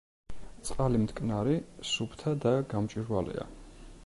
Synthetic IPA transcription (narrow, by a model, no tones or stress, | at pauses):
t̪sʼqʼalimt̪ʰkʼnaɾisupʰt̪ʰad̪aɡamt͡ʃʼiɾwalḭa̰